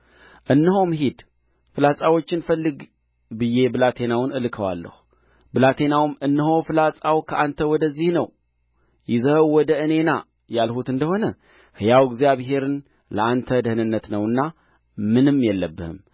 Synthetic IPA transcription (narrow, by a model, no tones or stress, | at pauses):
ʔɨnːɨɦo̞mɦid̪ | fɨlasʼawo̞t͡ʃːɪnfəlːɨɡ | bɨjːe̞bɨlat̪ʰe̞nawnɨlkʰəwa̰lːə̰hu | bɨlat̪ʰe̞nawmɨnːɨɦo̞fɨlasʼawkʰəʔant̪ʰəwɔd̪əzːihnəw | jɪzəhwːɔd̪əʔɨne̞na | jalhut̪ɨnd̪əho̞nə | hɨjawɡzjaβɦe̞ɾɨn | ləant̪ʰəd̪əhɨnɨnːət̪nəwɨnːa | mɨnɨmːjɛlːəbːɨhɨ̰m